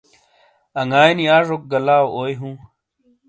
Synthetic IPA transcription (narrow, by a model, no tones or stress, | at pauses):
ɐŋaːjniaːʐok̚ɡɐlaːwoːjɦũː